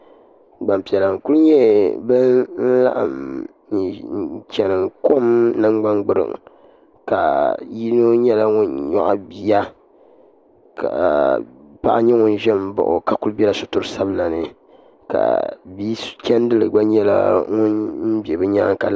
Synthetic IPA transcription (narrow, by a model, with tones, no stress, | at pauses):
ɡ͡ba˨m˨pi˨ɛ˨la˨ŋ˨ku˦lɲɛ˦bɨ˦nn̩˦la̰˦ʔa˨m˨ | n̩˨t͡ʃɛ˨nɨ˨ŋko˦mnɨ˦ŋ͡mɡ͡ba˦ŋɡ͡bɨ˦ɾɨ̰˨ŋ | ka˨ji˦no˦ɲɛ˦la˦ŋʊ˦nɲɔ̰˦ʔbi˨ja˦ | ka̰˨ | pa˦ʔa˦ɲɛ˦ŋʊ˦nʒɛ˦m˦bɔ̰˨ʔʊ̰˨ka˨ku˦lbɛ˦la˦sʊ˨tʊ˦ɾɨ˦sa˦bla˨nɨ˨ | ka̰˨bi˦t͡ʃɛ˦n˦dɨ˦lɨ˨ɡ͡ba˦ɲɛ˦la̰˦ŋʊ˦n̩˦be˨bɨ˦ɲaː˦ŋ˨ka˨